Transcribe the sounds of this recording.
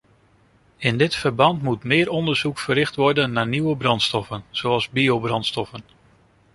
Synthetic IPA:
ɪndɪtfəɹbɑntmutmɪːɾɔndəɹz̥ukfərɪχtʋɔɹdənːaːɹniwəbrɑntstɔfənz̥oɑlˠzbiobrɑntstɔfən

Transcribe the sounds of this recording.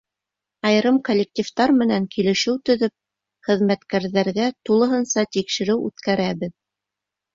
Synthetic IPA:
ɑj̆ɾɤmkolʲːek̚tʲift̪ɑɾmɘ̆næŋkilɘ̆ʃɘwt̪ɵ̆ðɵp̚ | χɘ̆ðmæt̪kæɾðæɾɡæt̪ulˠɤ̆ɦɤnsɑt̪ikʃɘ̆ɾɘwʉ̰t̪kæɾæβɘð

